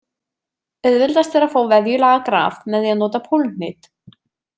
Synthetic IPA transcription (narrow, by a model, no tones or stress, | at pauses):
ɛðvɪlt̪ast̪vɛːɾafoːwvɛðjʏlaːɣakɾa̰ːvmɛðaðnɔːt̪apʰoln̥ɪt̪